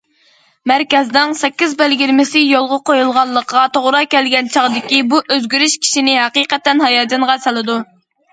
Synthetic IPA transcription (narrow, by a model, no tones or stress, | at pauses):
mæɾkʲɛzdnɪŋsɛkʲːizbælɡʲiɾmɪsɪjolˠʁɑqʰojulˠʁɑnlˠəqʰəʁɑt̪ʰoʁɾɑkʲɛlɡʲɛnt͡ʃʰɑʁd̪ɪkʲibuʔøzɡʲyɾyʃkʲʰi̥ʃinɪɦæqiːqɛt̪ːɛnɦɑjɑːd͡ʒɑɴʁɑsɛlˠɨd̪u